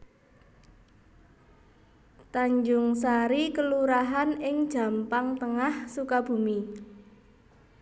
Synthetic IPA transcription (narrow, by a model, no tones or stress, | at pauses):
t̪aɲd͡ʒʊŋsaɾikəluɾaɦanɪŋd̥ʒ̥ä̤mpaŋt̪əŋahsukab̥ṳmi